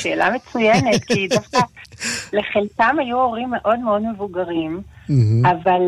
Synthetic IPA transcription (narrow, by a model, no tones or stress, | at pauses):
ʃḛːla̰me̞t͡sujenet̪kid̪afkaleχelkamajuo̞ʁimːe̞ʔo̞d̪meo̞dme̞vuɡaʁim | aval